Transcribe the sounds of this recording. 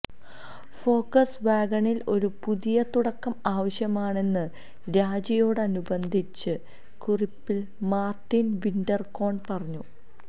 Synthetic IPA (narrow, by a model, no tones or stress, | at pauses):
fo̞ːkːɐsʋaːɡɐɳilo̞ɾupuðijɐt̪uɽɐkːɐmaːʋɐɕjɐmaːɳe̞nːɨ | ɾaːd͡ʑɐjo̞ːɽɨɐnubɐnd̪ʱit͡ɕːɨ | kuripːil | maːrʈːinʋindɐrko̞ːɳpɐrɐɲːu